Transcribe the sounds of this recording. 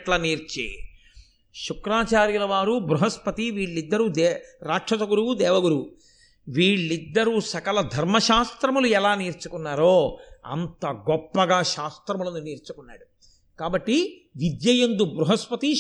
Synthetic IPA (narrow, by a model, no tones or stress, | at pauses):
ʈlɐːniːɾt͡ʃḛː | ʃukɾaːt͡ʃaːɾjulɐʋaːɾubɾuɦɐspɐt̪iʋiːɭːid̪ːɐɾuːd̪ɛɾaːʈʂɐt̪ɐɡuɾuud̪ɛːʋɐɡuɾuu | ʋiːɭːid̪ːɐɾuːsɐkɐlɐd̪ʱɐɾmɐʃaːst̪ɾɐmuluɛlaːniːɾt͡ʃukunːaːɾoːɐ̰nt̪ɐɡɔpːɐɡaːʃaːst̪ɾɐmulɐnuniːɾt͡ʃukunːa̰ːɽu | kaːbɐʈːi | ʋid̪jɐjɐnd̪ubɾuɦɐspɐt̪i